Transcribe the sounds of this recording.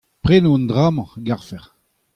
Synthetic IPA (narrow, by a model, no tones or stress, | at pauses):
pʁenoɔ̃nd̪ʁaːmɑ̃ɡaʁfɛʁ